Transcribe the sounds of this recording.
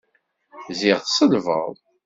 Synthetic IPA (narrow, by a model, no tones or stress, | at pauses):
ziʁθsˤəlvə̰ðˤ